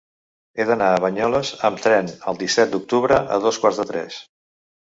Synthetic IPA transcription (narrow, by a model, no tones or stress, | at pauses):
eðənaəβəɲɔləzəmt̪ɾɛnəlˠd̪isɛt̪̚d̪uk̚t̪uβɾəʔə̰ðɔskwaɾzðət̪ɾɛ̰s